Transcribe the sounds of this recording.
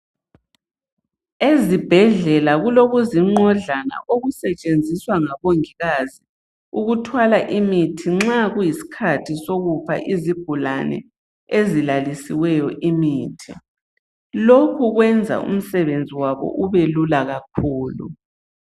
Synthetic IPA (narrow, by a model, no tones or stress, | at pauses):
ezib̥ʱɛɮɛlaɣuloɣuziŋ͡ǃɔɮana̰ʔoɣusɛt͡ʃʼend͡zʱiswaŋaβoŋiɣazi | uɣutʰwalaʔimitʰiŋ͡ǁaɣujisi̥kʰatʰisoɣupʰa̰ʔizib̥ʱulanɛ̰ | ezilalisiwɛjɔʔimiːtʰi | lokʰuɣwɛnd͡zʱa̰ṵm̩sɛβend͡zʱiwaβɔ̰ʔuβelulaɣakʰuːlṵ